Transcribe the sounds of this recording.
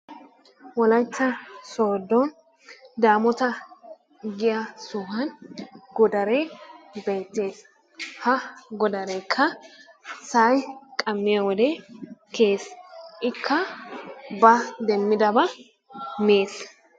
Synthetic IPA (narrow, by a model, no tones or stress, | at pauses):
wɔlɐjt͡sːɐso̞ːd̪ɔ | d̪aːmɔt̪ɐ | ɡɪjɐsʊɦɐnɡɔd̪ɐɾɛbeːt̪ːe̞ːs | hɐɡɔd̪ɐɾɛjkʰːɐ | sɐjkʼɐmːɪjɐwɔd̪ɛkʰeːsʔɪkʰːɐ | bɐd̪ɛmːɪd̪ɐbɐ | meːs